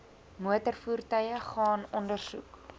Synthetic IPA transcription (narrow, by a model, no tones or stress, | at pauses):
muətərfuːrtœjəχɑːnɔndərsṵk